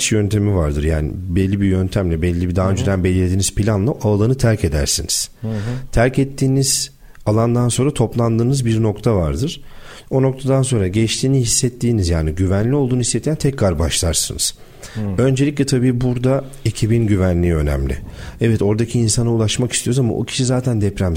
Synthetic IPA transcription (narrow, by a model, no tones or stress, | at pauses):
t͡ʃjø̞nt̪ʰe̞mivaɾd̪ɯɾja̰ːnḭbɛlʲːibijø̞nt̪ʰæmlʲɛbɛlʲːibid̪aːaːønd͡ʒed̪ænbelʲilʲed̪iːniz̥pʰilʲanlˠaʔaːlˠanɯt̪ʰæɾcʰe̞d̪æ̰ɾsiniz̥t̪ʰæɾcɛt̪ʰːiːniz̥ | alˠand̪anso̞nɾat̪ʰo̞plˠand̪ɯːnɯzbiɾno̞kt̪ʰavaɾd̪ɯɾ̥ | o̞no̞kt̪ʰad̪ans̬o̞nɾaɟɛt͡ʃt̪ʰiːnihisːɛt̪ːiːnizjaːniɟyvænlʲio̞lˠd̪uːnuhisːet̪ːjænt̪ʰɛcːaɾbaʃlˠaɾsɯnɯ̰z̥ | ø̞nd͡ʒelʲiclʲɛt̪ʰabiːbuɾd̪a | ecʰibinɟyvænlʲiːø̞næ̰mlʲɪ̰ɛvɛt̪o̞ɾd̪acʰiːnsanaulˠaʃmakist̪ʰijo̞ɾuzama̰ʔo̰cʰi̥ʃizaːt̪ʰænd̪ɛpɾæm